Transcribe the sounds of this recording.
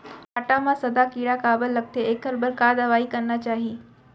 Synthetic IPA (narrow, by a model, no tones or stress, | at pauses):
aːʈamãsɐd̪akiːɽakaːbəlːəɡ̚t̪eeːkəɾbəɾkaːd̪əʋaːikəɾnat͡ʃaːɦiː